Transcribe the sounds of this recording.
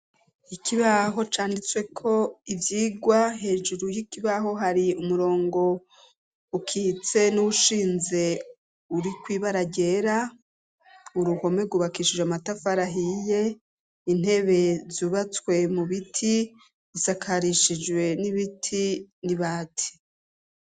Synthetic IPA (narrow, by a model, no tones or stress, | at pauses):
ikʰiβaɦo̞t͡ʃaːndit͡swe̞kʰo̞ivjiːɡwaɦe̞ːd͡ʒuɾujikiβaɦo̞ɦaɾiumuɾo̞ːŋɡo̞ | ukʰiːt͡se̞nuuʃiːnze̞ | uɾikwiːβaɾaɟe̞ɾa | uɾuho̞me̞ɡuβakiʃid͡ʒweamatafaɾaɦije̞ | in̥he̞βe̞zuːβat͡swe̞muβitʰi | zisakʰaɾiʃid͡ʒwe̞niβitʰiniβaːtʰi̥